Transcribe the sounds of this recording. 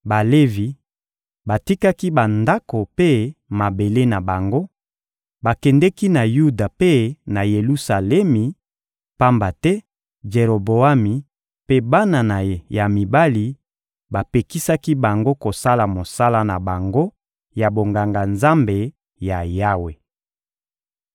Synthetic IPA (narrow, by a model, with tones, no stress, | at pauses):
ba˨le˦vi˨ | ba˨ti˦ka˦ki˦ba˨nda˦ko˨pe˦ma˨be˨le˦na˨ba˨ŋɡo˦ | ba˨kɛ˨ndɛ˦ki˦na˨ju˦da˨pe˦na˨je˨lu˦sa˨lɛ˦mi˨ | pa˦mba˨tɛ˦ | d͡ʒe˨ɾo˨bo˨a˦mi˨ | pe˦ba˦na˨na˨ja˨mi˨ba˦li˨ | ba˨pe˨ki˦sa˦ki˦ba˨ŋɡo˦ko˨sa˦la˨mo˨sa˦la˦na˨ba˨ŋɡo˦ | ja˨bo˨ŋɡa˨ŋɡa˨nza˦mbe˨ | ja˨ja˦we˨